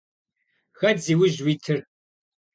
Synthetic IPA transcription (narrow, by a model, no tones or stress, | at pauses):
ɣɐdziːwʊʑwiːtʰɨr